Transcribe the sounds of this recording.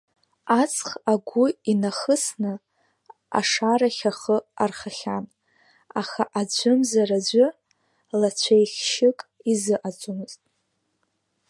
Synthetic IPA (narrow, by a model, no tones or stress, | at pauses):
at͡sʼʰχaɡʷʊinaχəsnɨ | a̰ʂaɾaχʲaχəarχaχʲan | aχaʔad͡ʒʷɨmzarad͡ʒʷʊ | lat͡ɕʷʰejχʲʃɪkʼizɨʔad͡zʷʼumɨztʼ